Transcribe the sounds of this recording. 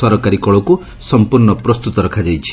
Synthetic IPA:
ɔɾɔkaɾikɔɭɔku | sɔmpuɾɳɔpɾɔst̪ut̪ɔɾɔkʰad͡ʒajt͡ʃʰi̥

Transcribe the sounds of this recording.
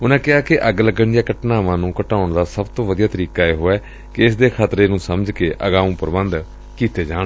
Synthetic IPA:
ʊnãːkɪɦaːkɪʔəɡləɡəɳjaːkəʈnaːʋãːnũːkəʈaːʊɳd̪aːsəbt̪õːʋəd̪ijaːt̪əɾiːkaːeːɦoːɛː | kɪɪsd̪eːkʰaːt̪ɾeːnũːsəməd͡ʒkeːʔəɡaːũːpəɾəbənd̪ | kiːt̪eːd͡ʒaːɽ

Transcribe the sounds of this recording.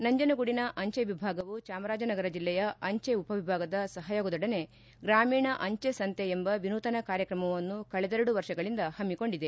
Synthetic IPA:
nɐɲd͡ʒɐnɐɡuɽinɐʔɐɲt͡ʃeʋibʱaːɡɐʋut͡ʃaːmɐɾaːd͡ʒɐnɐɡɐɾɐd͡ʒilːɛjɐɐɲt͡ʃeupɐʋibʱaːɡɐd̪ɐsɐɦɐjoːɡɐd̪ɔɽɐne̞ | ɡɾaːmiːɳɐʔɐɲt͡ʃesɐnt̪eembɐʋinuːt̪ɐnɐkaːɾjɐkɾɐmɐʋɐnːukɐɭɛd̪eɾɐɽuʋɐɾʂɐɡɐɭind̪ɐhɐmːiko̞ɳɖid̪e̞

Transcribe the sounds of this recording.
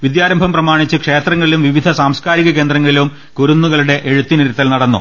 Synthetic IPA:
ʋid̪jaːɾɐmbʱɐmprɐmaːɳit͡ɕːɨkʂe̞ːt̪rɐŋːɐɭilumʋiʋid̪ʱɐsaːmskaːɾiɣɐke̞ːnd̪rɐŋːɐɭilum | kuɾunːuɣɐɭuɽe̞ʔeɻut̪ːiniɾit̪ːɐlnɐɽɐnːṵ

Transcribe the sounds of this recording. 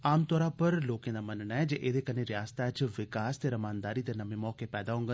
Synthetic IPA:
aːmt̪ɔːɾaːpəɾloːkẽːd̪aːmənnaːɛd͡ʒeːʔeːd̪eːkəneɾɪjaːst̪at͡ʃʋɪkaːst̪eːɾəmaːnd̪aːɾid̪enəmemɔːkepɛːd̪aːɦʊ̃ŋɡə

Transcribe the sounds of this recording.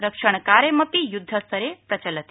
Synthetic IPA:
ɾəkʂəɳ̃kaɾjeməpijud̪ʱːəst̪ʰəɾepɾɐt͡ɕələt̪

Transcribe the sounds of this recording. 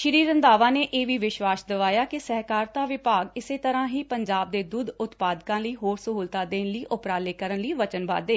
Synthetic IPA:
ʃəɾiːɾənd̪aːʋãːneːʔeːʋiːʋɪʃwaːsd̪əʋaːjaːkɪsəɦkaːɾt̪aːʋɪpaːɡɪseːt̪əɾãːɦiːpəɲd͡ʒaːb̚d̪eːd̪uːd̪ʊt̪paːd̪kãːləiːɦoːɾsəɦuːlt̪aːd̪eːnliːʔʊpɾaːleːkəɾənliːʋət͡ʃənba̰ːd̪eː

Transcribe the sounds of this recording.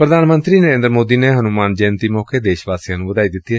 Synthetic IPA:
pɾəd̪ʱaːnmə̃nt̪ɾinəɾẽːnd̪ɾmoːd̪inɛɦɐnumaːnd͡ʒɛ̃ːnt̪imɔːked̪eːʃʋaːsijãnũʋɐd̪aːid̪ɪt̪ːiɛː

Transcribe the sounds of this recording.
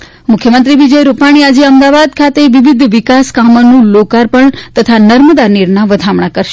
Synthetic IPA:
mʊkʰjəmənt̪ɾiʋid͡ʒəjɾupaɽ̃iad͡ʒeəmd̪aʋad̪̚kʰat̪eʋiʋid̪ʱʋɪkaskamənũlokaɾpəɳt̪ət̪ʰanəɾməd̪aniɾnaʋəd̪ʱamɳakəɾʃe

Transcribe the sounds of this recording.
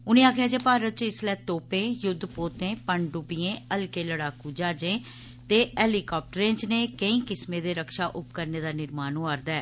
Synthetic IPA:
ʊnẽːaːkʰjaːd͡ʒeːpaːɾət̪̚t͡ʃəɪslɛːt̪oːpẽːjʊd̪ːpoːt̪ẽːpəɳɖʊbiẽːəlkeːləɽaːkuːd͡ʒaːd͡ʒẽː | t̪eːɛːliːkaːp̚ʈəɾẽːt͡ʃneːkəĩːkɪsmẽːd̪eːɾəkʃaːʔʊpkəɾneːd̪aːnɪɾmaːnoːaːɾd̪ɛː

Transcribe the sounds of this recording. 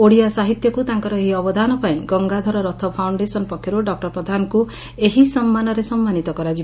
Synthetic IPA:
oɽiasaɦit̪jɔkut̪aŋkɔɾɔeɦiɔbɔd̪ʱanɔpaĩɡɔŋɡad̪ʱɔɾɔɾɔt̪ʰɔpʰawɳɖesɔnɔpɔkʰːjɔɾuɖɔk̚ʈɔɾpɾɔd̪ʱanɔku | eɦisɔmːanɔɾesɔmːanit̪ɔkɔɾad͡ʒi

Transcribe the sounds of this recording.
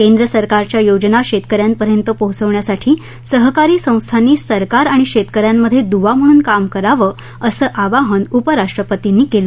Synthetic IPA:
kend̪ɾəsəɾkaɾt͡ɕjajod͡ʑnaɕet̪kəɾjampəɾjənt̪əpəɦut͡səʋɳjasaʈʰiː | səɦkaɾiːsə̃w̃st̪ʰaniːsəɾkaɾaɽ̃iɕet̪kəɾjamːəd̪ʱːjed̪uʋam̤əɽ̃uːnkamkəɾaʋə | əsəːʔaʋaɦənupəɾaʂʈɾəpət̪inːiːkelə

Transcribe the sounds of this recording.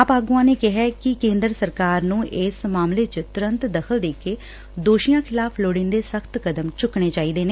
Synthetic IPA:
apaːɡũãːneːkɪɦɛːkɪkẽːnd̪əɾsəɾkaːɾnũːʔɪsmaːmleːt͡ʃət̪ʊɾə̃nt̪d̪əkʰəld̪eːkeː | d̪oːʃijãːkʰɪlaːpʰloːɽɪ̃nd̪eːsəkʰt̪kəd̪əmt͡ʃʊkɳeːt͡ʃaːiːd̪eːneː

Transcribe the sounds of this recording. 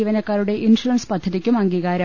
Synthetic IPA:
iʋɐnɐkːaːɾuɽe̞ʔinsuɾɐnspɐd̪ʱːɐðikʲːumɐŋɡiːɣaːɾɐ

